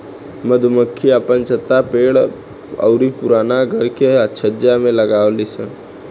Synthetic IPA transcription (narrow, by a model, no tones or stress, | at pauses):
məd̪ʱməkʰːiəpənt͡ʃət̪ːapeːɽ | ə̰ʊɾipʊɾaːnaɡʱəɾkeət͡ʃʰəd͡ʒjamẽləɡaːwlisə̃